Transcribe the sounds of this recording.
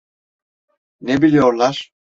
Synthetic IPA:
nebilʲijo̞ɾlˠaɾ̥

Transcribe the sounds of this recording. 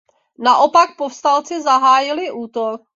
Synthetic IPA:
naʔo̞pak̚pofst̪alt͡sɪzaɦaːjɪlɪʔuːt̪ok̚

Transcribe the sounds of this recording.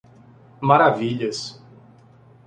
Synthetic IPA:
maɾaviʎɐs

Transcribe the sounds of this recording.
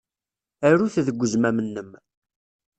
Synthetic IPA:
æɾuθðəɡʷːəzmæmənːəm

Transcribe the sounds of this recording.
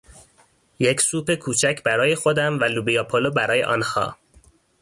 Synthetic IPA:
jecʰsuːpe̞kʰuːt͡ʃʰæcʰbæɾɒːje̞xo̞d̪æmvælubijɒpʰolobæɾɒːje̞̰ʔɒ̰ːnhɒ̰ː

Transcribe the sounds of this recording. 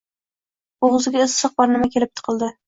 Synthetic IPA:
ʊʁʊzɪɡʲaɪzsɨq̚bɒɾnɪmakʲelɪp̚t̪ʰɨ̥qʰɨlˠd̪ɪ

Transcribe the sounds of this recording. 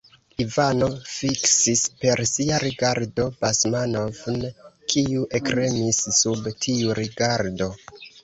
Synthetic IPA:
ivano̞fiksispe̞ɾsiaɾiɡaɾdo̞basmanovnkʰiuʔe̞kɾe̞misːubtʰiuɾiɡaɾdo̞

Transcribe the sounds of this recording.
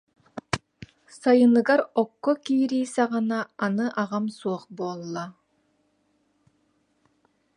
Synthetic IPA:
sajɯnɯɡaɾɔkːɔkiːɾiːsɑʁɯnaːnɯʔaʁamsuɔχbuːlˠːa

